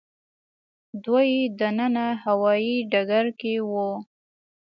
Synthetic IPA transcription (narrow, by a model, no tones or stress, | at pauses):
d̪wajed̪anənahawɑjiɖaɡaɾkewo